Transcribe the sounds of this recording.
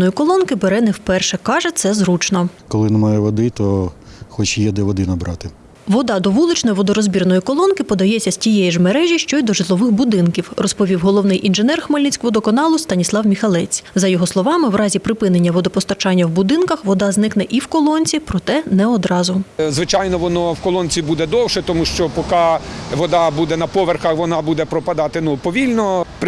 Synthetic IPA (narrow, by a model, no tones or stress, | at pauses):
nɔjikɔlˠɔnkɪbeɾɛnɛwpɛrʃɛkɑʒɛt̪sɛzɾut͡ʃnɔkɔlˠɪnɛmɑjɛʋɔd̪ɪt̪ɔxɔt͡ʃjɛd̪ɛʋɔd̪ɪnɐbɾɑt̪ɪ | ʋɔd̪ɑd̪ɔʋulˠɪt͡ʃnɔjʋɔd̪ɔɾɔzʲbʲirnɔjikɔlˠɔnkɪpɔd̪ɐjɛsʲːɐsʲtʲijɛjiʒmeɾɛʒʲiʃt͡ʃɔjd̪ɔʒɪlˠɔʋɪxbʊd̪ɪnkʲiwrɔspɔʋʲiwɦɔlˠɔwnɪjʔinʒenɛrxmɐlʲnʲit͡sʲkʋɔd̪ɔkɔnɑlˠʊst̪ɐnʲislˠɑwmʲixɐlˠɛt͡sʲzɐjɔɦɔslˠɔʋɑmɪwɾɑzʲipɾɪpɪnenʲːɐʋɔd̪ɔpɔst̪ɐt͡ʃɑnʲːɐwbʊd̪ɪnkɐxʋɔd̪ɑznɪknɛʔiwkɔlˠɔnʲt͡sʲipɾɔt̪ɛnɛɔd̪ɾɑzʊzʋɪt͡ʃɑjnɔʋɔnɔwkɔlˠɔnʲt͡sʲibud̪ɛd̪ɔwʃɛt̪ɔmuʃt͡ʃɔpɔkɑʋɔd̪ɑbud̪ɛnɐpɔʋerxɐxʋɔnɑbud̪ɛpɾɔpɐd̪ɑt̪ɪnupɔʋʲilʲnɔp